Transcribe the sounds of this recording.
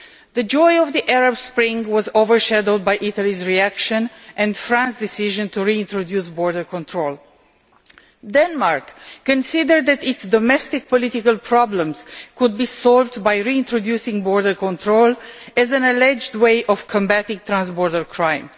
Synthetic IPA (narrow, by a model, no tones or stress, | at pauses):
ðəd͡ʒɔɪɔvðiʔɛɹabspɹɪ̃ŋwɔzovəɹʃɛdəlˠd̪̚bajʔitalizɹiækʃə̃nʔɛ̃ndfɹãnsd̪ɪsiʒə̃ntuɹiɪ̃ntɹodjusbɔɹdəɹkɔ̃ntʰɹolˠ | dɛ̃nmaɹkːə̃nsɪd̪əɹd̪̚ðɛt̪ɪtsd̪ɔmɛst̪ɪk̚pɔlɪtɪkəlˠpʰɹɑblə̃mz̥kʊd̪̚bisɔlvdbajɹiɪ̃ntɹodjusɪ̃ŋbɔɹdəɹkɔ̃nt̪ʰɹolɛzæ̃nɛlɛd͡ʒdweɪʔɔv̥kʰɔ̃mbætɪ̃ŋt̪ɹãnsbɔɹdəɹkʰɹãɪ̃m